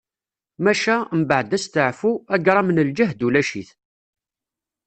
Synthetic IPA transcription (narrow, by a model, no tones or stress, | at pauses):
mæʃæmbəʕd̪æst̪əʕfuæɡɾˤɑmənəld͡ʒəɦd̪ulæʃiθ